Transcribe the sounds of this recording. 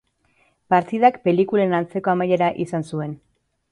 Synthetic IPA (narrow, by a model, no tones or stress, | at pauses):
paɾt̪iðakpe̞likulanant͡se̞ko̞amaje̞ɾaʔisansue̞n